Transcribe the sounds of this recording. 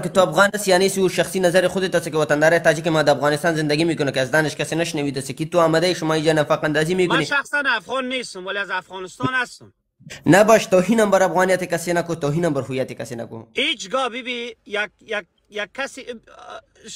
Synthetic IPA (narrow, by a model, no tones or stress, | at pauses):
ket̪oafɣɑːnasijaːnesiuʃaxsinazaɾexʊd̪et̪asakewat̪and̪aːɾat̪aːd͡ʒik̬emad̪əafɣɑnɪst̪ɑːnzɪnd̪aɡimekʊnokeazd̪aːnɪʃkasenaʃnawid̪asekit̪uamad̪aiʃʊmɑːid͡ʒanafaqand̪ɑːzimekmʊneʃaxsanafɣɔnːest̪ʊmwaliazafɣɔːnɪst̪ɔnast̪ʊm | nabaʃt̪oɦinambaɾafɣɑːnijat̪ekasenakot̪oɦinambaɾɦujat̪ekasena̰ko̰et͡ʃɡɔbibijak̚jak̚ | jakʰːasi